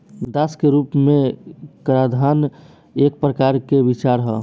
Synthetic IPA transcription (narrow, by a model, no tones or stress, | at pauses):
d̪əskeɾupmekəɾad̪ʱan | ek̚pɾəkaɾkebit͡ʃaɾɦə